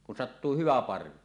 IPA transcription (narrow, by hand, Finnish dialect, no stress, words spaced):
kun sɑtːuː hyʋæ pɑrʋi